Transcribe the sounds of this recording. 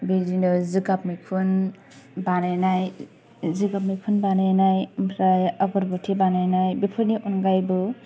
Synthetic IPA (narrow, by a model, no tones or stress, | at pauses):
bidinɔzɯɡap̚mikʰun | banajnaj | ziɡap̚mikʰunbanajnajmpʰɾajaɡɔɾbɔtʰibanajnajbipʰɯniʔunɡajbɯ